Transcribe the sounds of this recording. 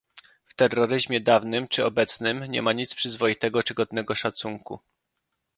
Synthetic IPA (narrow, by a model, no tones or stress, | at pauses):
ft̪ɛrːɔɾɘʑmʲjɛd̪avnɘmt͡ʂɘɔbɛt̪snɘmɲɛ̰maɲit̪spʂɘzvɔjit̪ɛɡɔt͡ʂɘɡɔd̪nɛɡɔʂat̪suŋkṵ